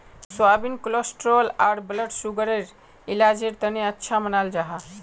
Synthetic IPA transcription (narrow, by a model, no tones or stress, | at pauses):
swabinklosʈɾolaɾbləʈsuɡəɾeɾ | ilad͡ʒeɾt̪əneətːʃʰamənald͡ʒaɦa